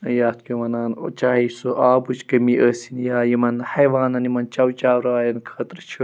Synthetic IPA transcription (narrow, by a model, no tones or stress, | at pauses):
jaːt̪kʲumɐnaːnot͡ʃaːɦisuʔaːbut͡ʃkɐmiʔəːsinjaːjimɐnhɐjʋaːnɐnimɐnt͡ʃɐwt͡ʃaːwɾaːjɐnkʰɐːt̪ɾt͡ʃʰi